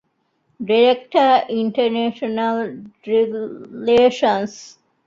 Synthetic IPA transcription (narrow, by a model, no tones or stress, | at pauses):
ɖiɾekʈəɾiɳʈəɾneːʃonɐlɾileːʃə̃ns